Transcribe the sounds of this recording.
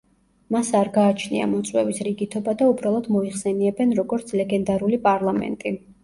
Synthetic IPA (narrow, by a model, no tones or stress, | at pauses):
masaɾɡaːt͡ʃʰnḭa̰mɔt̪sʼwɛ̰visɾiɡit̪ʰɔbad̪aubɾalˠɔd̪mɔiχsɛniɛbɛnɾɔɡɔɾt̪sʰlɛɡɛnd̪aɾulipʼaɾlˠamɛ̰nt̪ʼi